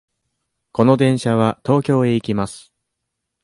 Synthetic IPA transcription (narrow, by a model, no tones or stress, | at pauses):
ko̞no̞d̪ẽ̞ɰ̃ɕaβat̪o̞ːkʲo̞ːe̞ikʲimasɨ̥